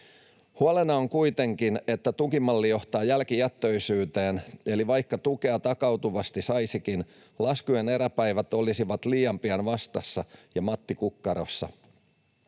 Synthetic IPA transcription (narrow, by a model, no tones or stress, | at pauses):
huɑlenɑoŋkujt̪e̞ŋkine̞t̪ːæt̪ukimɑlːijo̞ht̪ɑːjælkijæt̪ːøjsyːt̪e̞ːne̞liʋɑjkːɑt̪uke̞ɑt̪ɑkɑwt̪uʋɑst̪isɑjsikin | lɑskujene̞ɾæpæjʋæt̪o̞lisiʋɑt̪liːɑmpiɑnʋɑst̪ɑsːɑjɑmɑt̪ːikukːɑɾo̞̰sːɑ̰